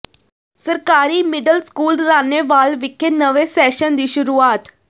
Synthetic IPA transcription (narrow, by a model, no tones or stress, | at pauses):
səɾkaːɾiːmɪɖəlskuːlɾaːneːʋaːlʋɪkʰːenəʋeːsɛːʃənd̪iːʃʊɾuːaːt̪